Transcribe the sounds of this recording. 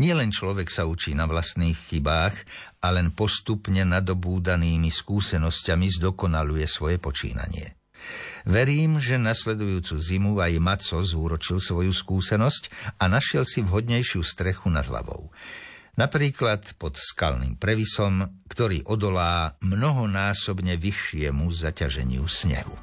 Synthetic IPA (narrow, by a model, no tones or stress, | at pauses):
ɲɪɛlɛnt͡ʃlɔʋɛksaut͡ʃiːnaʋlast̪niːxːibaːxʔalɛnpɔst̪upɲɛnad̪ɔbuːd̪aniːmiskuːsɛnɔscamizd̪ɔkɔnalujɛsʋɔjɛpɔt͡ʃḭːna̰ɲɪɛ̰ | ʋɛɾiːmʒɛnaslɛd̪ujuːt͡suːzimuajmat͡sɔzuːɾɔt͡ʃilsʋɔjuskuːsɛnɔscanaʃɪɛlsivɦɔd̪ɲɛjʃɪuːst̪ɾɛxuna̰d̪ɦla̰ʋɔ̰ʊ | napɾiːklat̪pɔt̪ska̰lnḭːmpɾɛʋisɔmkt̪ɔɾḭːʔɔd̪ɔlaːmnɔɦɔnaːsɔbɲɛʋiʃːɪɛmuzacaʒɛ̰ɲɪṵsɲɛ̰ɦṵ